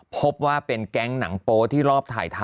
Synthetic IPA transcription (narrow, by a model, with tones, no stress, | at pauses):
pʰo˦˥p̚waː˥˩pe˧nkɛ˦˥˩ŋna˩˦ŋpoː˧t̪ʰiː˥˩ɾɔː˥˩p̚t̪ʰa̰ː˨˩jt̪ʰa˧